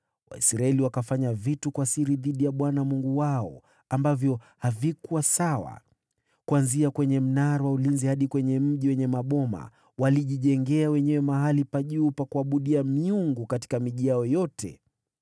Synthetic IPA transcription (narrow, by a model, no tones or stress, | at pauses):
wa̰isɾaɛliwakafaɲavitukwasiɾiðiɗijaɓwanamuŋɡuwaɔ̰ | ambavjɔ | havikuwasawa̰ | kuanziakwɛɲɛm̩naɾawaulinzihaɗikwɛɲɛm̩ʄiwɛɲɛmaɓɔma̰ | waliʄiʄɛŋɡɛawɛɲɛwɛmaɦalipaʄuːpakuaɓuɗiamiuŋɡukati̥kamiʄijaɔjɔtʰɛ̰